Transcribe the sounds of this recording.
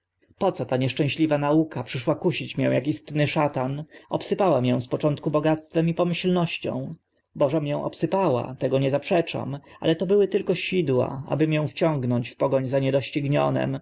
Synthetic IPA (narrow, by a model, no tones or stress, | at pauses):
pɔt̪sɔt̪aɲɛʂt͡ʂɛ̃ɕlʲivanaukapʂɘʂwakuɕit͡ɕmjɛ̰̃w̃jakist̪nɘʂat̪anʔɔpsɘpawamʲjɛ̃w̃spɔt͡ʂɔnt̪kubɔɡat̪st̪fɛmipɔmɘɕlnɔɕt͡ɕɔ̰̃w̃ | bɔʐɛmjɔ̃w̃ʔɔ̰psɘpawa̰t̪ɛɡɔɲɛzapʂɛt͡ʂa̰ma̰lɛt̪ɔbɘwɘt̪ɘlkɔɕid̪wa̰a̰bɘmjɔ̃w̃ft͡ɕɔ̃ŋɡnɔɲt͡ɕfpɔɡɔɲzaɲɛd̪ɔɕt͡ɕiɡɲɔ̰nɛ̰m